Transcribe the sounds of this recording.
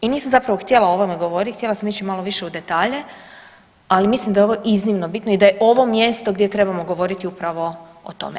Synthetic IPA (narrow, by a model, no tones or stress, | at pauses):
iniːsamzapɾaʋo̞xt̪je̞lˠaoʋomeɡoʋoɾit̪kt̪je̞lˠasamit͡ʃimalo̞ʋiʃe̞ud̪e̞t̪aːʎe | alimislimd̪ajeoʋo̞ʔiznimnobit̪noid̪ajeʔo̞ʋo̞mje̞st̪oɡd̪ʲjet̪ɾe̞bamo̞ɡo̞ʋo̞ɾit̪iupɾaʋo̞ | ot̪o̞̰me